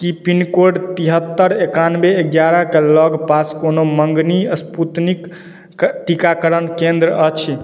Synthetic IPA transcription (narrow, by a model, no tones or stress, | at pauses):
kipinkoɖt̪iɦət̪ːəɾekanbeek̚ɡjaɾakelɔɡpaskonoməŋɡniəsput̪nik | ʈikakəɾənkẽnd̪ɾəət͡ʃʰi